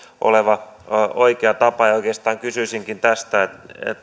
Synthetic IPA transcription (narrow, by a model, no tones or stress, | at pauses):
ʔo̰leʋɑoikeɑt̪ɑpɑejoikeːˑst̪ɑːŋkysysiŋkint̪æst̪æet̪ḛt̪